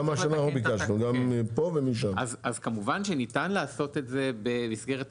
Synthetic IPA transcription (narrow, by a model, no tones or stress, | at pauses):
amaʃanaubikaʃnuɡampovemiʃ̬amazazkamuvanʃenitanlaaso̞tetze̞bemisɡe̞ʁet